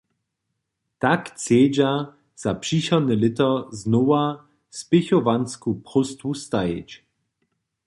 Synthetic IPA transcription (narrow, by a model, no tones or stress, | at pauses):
t̪akt͡sjeːd͡ʑa | z̥apʂiɕɔd̪nɛlɪt̪ɔznɔwa | spʲeçɔvanskupχɔst̪vust̪ajḛt͡ɕ